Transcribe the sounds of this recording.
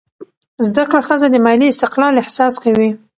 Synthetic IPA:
zd̪akɽaxəzad̪əmɑliɪst̪ɪqlɑlɪhsɑskawi

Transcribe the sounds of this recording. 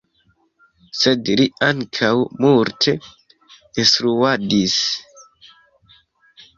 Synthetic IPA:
sedliaŋkʰawmuɾtʰe | istɾuadis

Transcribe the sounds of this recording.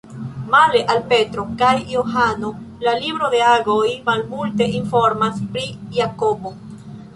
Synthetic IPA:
maleʔalpe̞tɾo̞kajːohano̞lalibɾo̞d̪e̞aɡo̞jmalmulte̞ʔinfo̞ɾmaspɾijakobo

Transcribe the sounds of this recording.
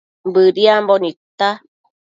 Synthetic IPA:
mbɯɾiambɔnit̪a

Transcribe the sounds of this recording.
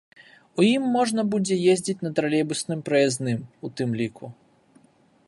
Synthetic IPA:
ujimːɔʐnɐbud͡zʲɛjezʲd͡zʲit͡sʲnɐt̪ɾɐlʲɛbusnɨmpɾɐjɛznɨmut̪ɨmlʲiku

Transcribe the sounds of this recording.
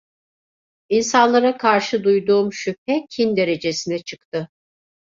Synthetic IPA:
insanlˠaɾakʰaɾʃɯd̪ujd̪uːmʃyp̚ɛcʰind̪e̞ɾe̞d͡ʒe̞sinɛt͡ʃʰɯkt̪ʰɯ

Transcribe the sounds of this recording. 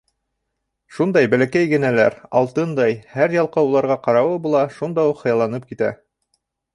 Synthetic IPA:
ʃund̪ɑjbælækæjɡɘ̆nælæ̰ɾɑ̰lˠt̪ɤnd̪ɑjhæɾjɑlˠqɑulˠɑɾʁɑqɑɾɑwɤbulˠɑʃund̪ɑwuqhɤ̆jɑlˠɑnɤp̚kit̪æ̰

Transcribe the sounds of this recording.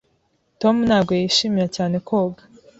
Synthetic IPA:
to̞munaːbɡo̞jiʃiːmiɾacaːne̞kʰoːɡa

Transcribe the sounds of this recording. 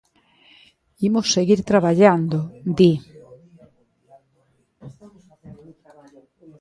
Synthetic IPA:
imosːeɣiɾt̪ɾaβaʎand̪od̪i

